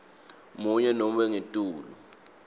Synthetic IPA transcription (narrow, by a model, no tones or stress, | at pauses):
muɲɛnom̩ɓɛŋetʼuːlu